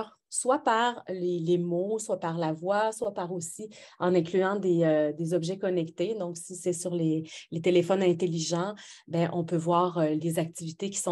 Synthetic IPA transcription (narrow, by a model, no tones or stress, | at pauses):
ʁ | swapaʁlelemoswapaʁlavwaswapaʁosiɑ̃nɛ̃klyɑ̃d̪eød̪ezɔbʒɛkɔnɛkt̪ed̪ɔ̃ksisɛsyʁlelet̪elefɔnɛ̃t̪eliʒɑ̃bɛ̃ʔɔ̃pøvwaːʁølezak̚t̪ivit̪ekʲi̥sɔ̃